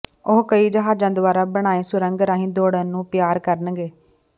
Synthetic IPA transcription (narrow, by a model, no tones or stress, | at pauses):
ʊɦkəiːd͡ʒəɦaːd͡ʒãːd̪ʊʋaːɾaːbəɽ̃aːeːsʊɾəŋɡɾãːɦĩːd̪oːɽənũːpɪjaːɾkəɾnɡeː